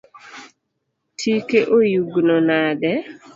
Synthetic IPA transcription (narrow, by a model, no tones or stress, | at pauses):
tʰikeʔojuɡnɔnadɛ